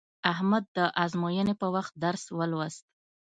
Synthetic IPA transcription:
ahmad̪̚ːəʔazmojənepəwaxt̪̚d̪aɾswəlwast̪̚

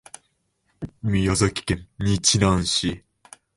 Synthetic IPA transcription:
mʲijozokʲi̥kẽnɲit͡ɕinãɰ̃ɕi

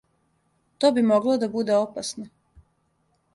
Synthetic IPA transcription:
t̪oːbimoɡlˠod̪abud̪e̞opasno

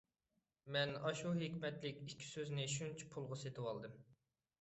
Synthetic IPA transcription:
mɛnɑʃuɦekʲmɛt̪lɪkʲikʲʰːi̥søznɪʃunt͡ʃʰi̥pʰulˠʁəset̪ʰɪwɑlˠd̪ɨm

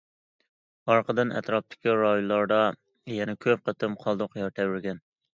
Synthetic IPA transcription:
ɑɾqʰəd̪ɨnɛ̰t̪ɾɑp̚t̪ʰɪ̥kʲiɾɑjlˠɑɾd̪ɑ | jɛnɛkʲʰøp̚qət̪ɨmqʰɑlˠd̪ʊqjɑɾt̪ʰɛwɪɾɡʲɛn

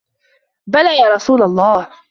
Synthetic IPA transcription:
balaːjaːɾˤɑsuːlalˤːɑːh

